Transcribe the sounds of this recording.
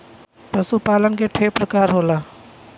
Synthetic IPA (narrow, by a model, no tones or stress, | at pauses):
pəsupaːlənkeʈʰeːpɾəkaːɾɦoːlaː